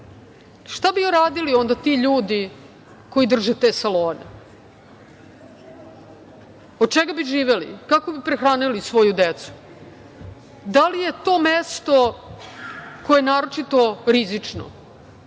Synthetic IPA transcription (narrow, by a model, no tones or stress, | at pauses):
ʃt̪abiuɾaːd̪ilio̞nd̪at̪iʎuːd̪i | ko̞id̪r̩ʒet̪e̞ːsaloːnḛ | od̪̚t͡ʃeɡabiʒiːʋelḭkakobipɾexɾaːnilisʋo̞jud̪et̪su̥ | d̪alije̞t̪o̞ːmest̪o̞ | ko̞eenaːɾo̞t͡ʃit̪o̞ɾizit͡ʂno̰